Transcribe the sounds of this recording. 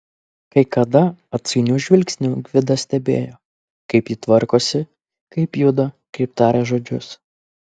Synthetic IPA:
kɐɪkɐd̪ɐɐt̪ʲsʲɐɪnʲuʒʲʋʲɪlʲksʲnʲuːɡʲʋʲɪd̪ɐsʲt̪ʲɛbʲḛːjoː | kɐɪpjit̪ʋɐɾkoːsʲɪ | kɐɪpjʊd̪ɐ | kɐɪpt̪ɑːɾʲeʒoːd͡ʒʲʊs

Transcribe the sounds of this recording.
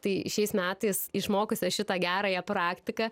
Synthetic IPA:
t̪ɐɪʃʲɛɪsmʲæːt̪ɐɪsɪʃmoːkʊsʲɛʃʲɪt̪ɐɡʲæːɾɑːjɛpɾɑːkt̪ʲɪkɐ

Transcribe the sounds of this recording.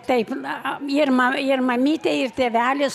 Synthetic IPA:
t̪ɐɪpɪrmɐɪrmɐmʲiːt̪ʲeɪrt̪ʲeːʋʲæːlʲɪs

